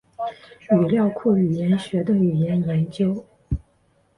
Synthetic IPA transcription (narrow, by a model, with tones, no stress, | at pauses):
y˨˩ljɑ˥˧ʊkʰu˥˩y˨˩jɛ˧˥nɕɥɛ˧˥d̪ə˧y˨˩jɛ˧˥njɛ˧˥nt͡ɕjo˥ʊ